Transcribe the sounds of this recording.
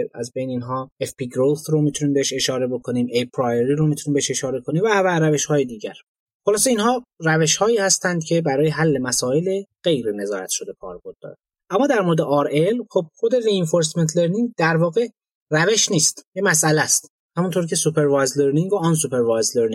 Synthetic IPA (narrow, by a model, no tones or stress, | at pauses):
æ̰zbe̞jneiːnɦɒːefpiɡɾot̪ɾomit̪ʰuniːmbeeʃe̞ʃɒːɾe̞bo̞kʰo̞niːmejpʰɾɒjeɾiːɾomit̪ʰuniːmbeeʃe̞ʃɒːɾe̞kʰo̞niːmvævæɾæve̞ʃhɒːje̞d̪iːɟæɾ | xolɒːse̞iːnhɒːræve̞ʃhɒːiːhæst̪ænd̪̥̚cʰe̞bæɾɒːjeɦælːe̞mæsɒːe̞leɣ̥e̞jɾene̞zɒːɾæ̰t̪ʃo̞d̪e̞kʰɒ̰ːɾbo̞ɾd̪̥ːɒ̰ːɾæ | ʔæmːɒːd̪æɾmo̞ɾed̪eʔɒːɾelxob̥̚xo̞d̪e̞ɾienfoɾs̬me̞nt̪ʰle̞ɾniŋd̪æɾvɒːɣe̞ | ræve̞ʃniːst̪jemæsʔælæst̪ | hæmunt̪ʰoɾcʰe̞supʰe̞ɾvɑːjzleɾniŋɡɡoːns̬upʰeɾvɑːjzleɾni